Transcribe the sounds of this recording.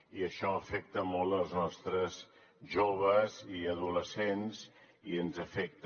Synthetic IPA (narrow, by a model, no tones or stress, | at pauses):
iəʃɔəfɛk̚t̪əmɔlˠəlˠznɔst̪ɾəz | ʒoβəziəðuləsenz | iənzəfɛk̚t̪